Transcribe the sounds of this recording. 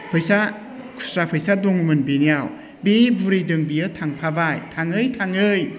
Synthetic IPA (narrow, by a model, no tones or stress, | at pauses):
pʰɯjsa | kʰu̥sɾapʰɯjsadoŋɯmɯnbinijaw | bibuɾijdɯŋbijɯtʰaŋpʰabajtʰaŋɯjtʰaŋɯj